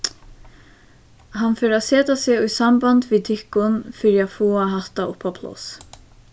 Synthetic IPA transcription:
ɦanfɪːɾasɛːt̪asɪʊjsambant̪vit̪ʰɪhkʊnfɪɾiafoːaɦaht̪aʔʊpːapʰlɔ̰s

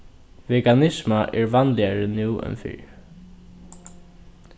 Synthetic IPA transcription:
vɛkanɪsmaʔɛɹʋanlɪaɹɪnɪwɛ̰nfɪ̰ɹ

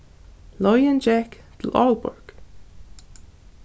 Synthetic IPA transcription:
lɔjənd͡ʒɛkd̪̥əlɔlbʊ̰ɹɡ̥

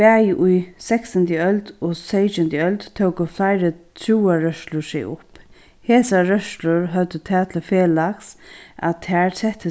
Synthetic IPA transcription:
pæːjʔʊjsɛksand̪jəœlt̪ɔːseɪt͡ʃɪnt̪jəœlt̪t̪ʰowkəflaɪɾət̪ʰɾuːaɹœʃlʊsɪ̰ʊ̰p | heːsaɾœʃlʊɹɦœt̪ət̪ʰɛːt̪ʰɪlfeːlaksʔa̰t̪ʰæːɹsɛht̪ːə

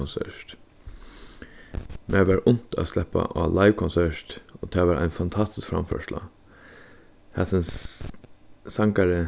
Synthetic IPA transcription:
ɔnsɛ̰ʂt̪ | mʔɛːʋæɹʔʊn̥t̪a̰ːslɛhpa̰ʔalaɪʋkʰɔnsɛɹt̪oːt̪ʰɛːʋæːɾʔa̰ɪnfant̪ʰɑst̪ɪ̥skfɾa̰mfœ̰ʂla̰ | hɛsɪns | saŋkaɹə

